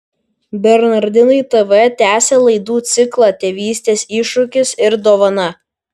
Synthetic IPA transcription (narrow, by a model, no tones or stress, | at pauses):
bʲɛɾnɐɾʲd̪ʲɪnɐɪt̪ɛʋɛt̪ʲæːsʲeːlˠɐɪd̪uːt̪sʲɪklˠɑːt̪ʲeːʋʲiːsʲt̪ʲeːsiˑʃʊkʲɪsɪɾd̪oːʋɐnɐ